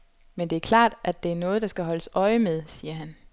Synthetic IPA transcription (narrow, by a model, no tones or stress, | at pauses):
mend̥e̝æɐkʰlɑ̰̈ːd̥ʔæd̥e̝æɐnɔ̽ːð̞̩ˠd̥ɑ̈sɡ̥æɦɒ̽ləsɒ̽ɪəmeð̞ˠsiːɐɦæn